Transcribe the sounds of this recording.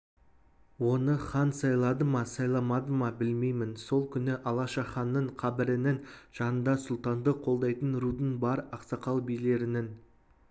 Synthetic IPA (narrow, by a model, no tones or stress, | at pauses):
wo̞nəχɑnsɑjlˠɑd̪əmɑsɑjlˠɑmɑd̪əmɑbɪlme̞jmɪnso̞lˠkʲʰʏnɪʔɑlˠɑʃɑχɑnːəɴqʰɑbɪɾɪnɪnʒ̥ɑnənd̪ɑsʊlˠt̪ɑnd̪əqʰo̞lˠd̪ɑjt̪ənɾud̪ənbɑɾɑqsɑqɑlˠbijle̞ɾɪnɪn